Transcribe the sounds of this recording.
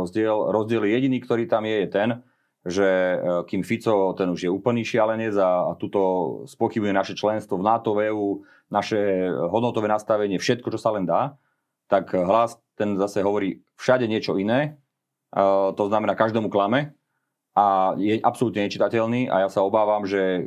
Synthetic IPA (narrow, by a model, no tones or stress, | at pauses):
ɔzɟɪɛlɾɔzɟɪɛljɛjɛɟiniːkt̪ɔɾiːt̪amjɛjɛt̪ɛn | ʒɛkiːmfit͡sɔt̪ɛnuʒjɛuːpl̩niːʃɪalɛɲɪɛd͡zat̪uːt̪ɔspʊɔxibmujɛnaʃɛt͡ʃlɛnst̪ʋɔvnat̪ɔʋɛːuː | naʃɛɦɔd̪nɔt̪ɔʋɛːnast̪aʋɛɲɪɛfʃɛt̪̚kɔt͡ʃɔsalɛnd̪aː | t̪akɦlast̪ɛnzasɛɦɔʋɔɾiː | fʃaɟɛɲɪɛt͡ʃɔinɛː | t̪ɔznamɛnaːkaʒd̪ɛːmuklamɛ | ajɛʔapsɔlut̪ɲɛɲɛt͡ʃit̪acɛlniːʔa̰jasaɔbaːʋamʒɛ